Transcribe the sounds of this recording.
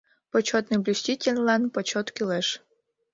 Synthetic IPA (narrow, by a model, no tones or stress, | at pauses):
pɔt͡ɕot̪nɨblʲusʲtʲitʲelʲlˠɑnpɔt͡ɕot̪kʲilˠɛʃ